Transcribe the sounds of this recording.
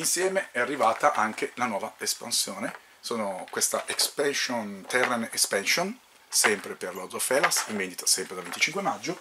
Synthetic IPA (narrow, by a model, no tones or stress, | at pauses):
insjɛːmeɛarːivaːt̪aʔaŋk̟elanwɔːvaespa̰nsjoːne | soːnokwest̪aʔekspɛnʃont̪ɛrːenespɛnson | sɛmpɾeperlod̪zofɛlasiɱvend̪it̪o̥sɛmpɾed̪alvent̪it͡ʃiŋkwemad͡ʒːo